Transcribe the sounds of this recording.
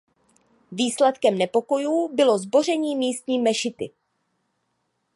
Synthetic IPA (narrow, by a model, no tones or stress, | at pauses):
viːslɛt̪kɛmnɛpo̞ko̞juːbɪlo̞zbo̞r̝ɛɲiːmiːst̪ɲiːmɛʃɪt̪ɪ